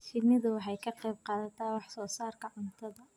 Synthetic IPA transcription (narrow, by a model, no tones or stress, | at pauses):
fɪlmɪðʊwɑħɑjkʰɐqɛjb̚qɑːðɐt̪ʰaːwɑħsɔːsaːrkʰɐʕʊnt̪ʰɐðɐ